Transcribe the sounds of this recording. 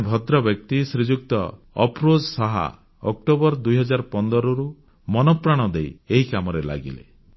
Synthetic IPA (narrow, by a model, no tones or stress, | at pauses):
bʱɔd̪ɾɔbjɔk̚t̪isɾid͡ʒuk̚t̪ɔ | ɔ̰pɾod͡ʒsɔɦa̰ | ɔk̚ʈobɔɾd̪ujɦɔd͡ʒaɾpɔnd̪ɔɾɔɾu | mɔnɔpɾaɽ̃ɔd̪ejeɦikamɔɾela̰ɡḭlḛ